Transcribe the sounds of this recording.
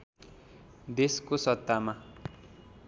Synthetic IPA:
d̪eskosʌt̪ːama

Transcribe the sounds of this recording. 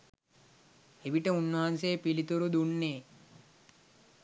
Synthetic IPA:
eʋiʈəunːɐɦanseːpilit̪uɾud̪uɳːeː

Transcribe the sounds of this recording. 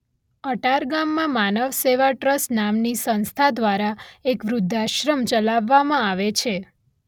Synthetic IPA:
əʈaɾɡamːãmanəʋseʋaʈɾəsnamnisə̃nst̪ʰad̪ʋaɾaekʋɾud̪ʱːaʃɾəmt͡ʃəlaʋːamãaʋet͡ʃʰe

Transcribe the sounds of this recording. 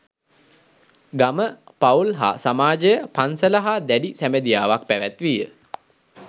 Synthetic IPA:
ɡaməpaulɦa̰ːsamaːd͡ʒəjəpansələɦad̪æɖisæməd̪ijaːʋak̚pæʋæt̪ʋijə

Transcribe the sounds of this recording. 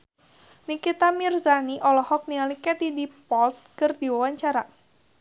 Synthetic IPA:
nikit̪amirzaniʔɔlɔhɔk̚nialikɛt̪idipɔlt̪̚kərd̪iwawaɲt͡ʃaɾa

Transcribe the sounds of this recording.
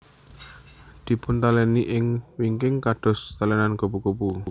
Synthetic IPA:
d̪̥i̤pʊnt̪alɛniʔɪŋwiŋkɪŋkaɖ̥ɔ̤st̪alɛnanɡobukupu

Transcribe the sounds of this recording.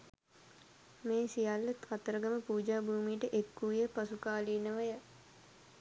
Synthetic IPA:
meːsijalːət̪kat̪əɾəɡəməpuːd͡ʒaːbuːmijʈəʔekːuijəpasukaːliːnəʋəjə

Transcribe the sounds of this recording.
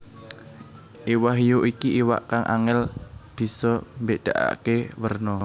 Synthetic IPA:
ʔiwaɦijuʔikiʔiwa̰ʔkaŋʔa̰ŋɛlb̥i̤sɔmbeʔd̪̥a̤ʔa̰kewərnɔ

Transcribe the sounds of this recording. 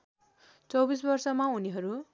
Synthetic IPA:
t͡sʌwbis̬bʌrsʌmauniɦʌɾu

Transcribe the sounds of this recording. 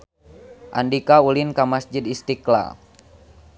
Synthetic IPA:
ʔa̰ndikaulinkamasd͡ʒid̪ist̪ikla̰

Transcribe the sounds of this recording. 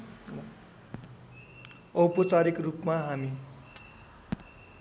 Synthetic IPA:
ʌwpʌt͡saɾikrupmaɦami

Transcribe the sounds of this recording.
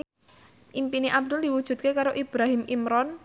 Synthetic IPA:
ʔimpineʔab̚d̪ʊldiwud̥ʒ̥ṳt̪̚kekaɾoʔib̥ɾaɦimimɾɔn

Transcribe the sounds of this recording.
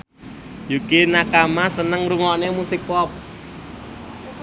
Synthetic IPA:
jukinakamasənəŋɾuŋɔnemusikɔp̚

